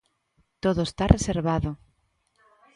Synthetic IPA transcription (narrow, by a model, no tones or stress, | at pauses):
t̪oðoest̪areseɾβaðʊ